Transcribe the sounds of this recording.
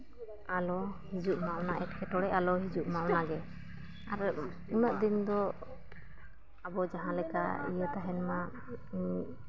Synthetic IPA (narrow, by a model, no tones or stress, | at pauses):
alɔhid͡ʒuʔmaʔwnaʔɛʈkʰɛʈɔɽɛʔalɔɦid͡ʒuʔmawnaɡɛ | aɾ | unəʔd̪ind̪ɔ | abɔd͡ʒaɦãlɛka̰ḭjət̪aɦɛnma